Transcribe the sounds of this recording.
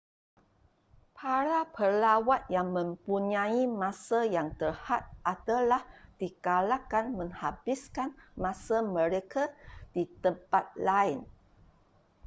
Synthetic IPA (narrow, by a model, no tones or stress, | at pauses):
pʰaɾapərlawat̪̚jaŋmə̃mpuɲãimãsajaŋt̪ərhat̪̚ʔat̪alahd̥ikalakanmə̃ŋhabiskanmãsamə̃ɾekʰad̥it̪əmpat̪̚laɪn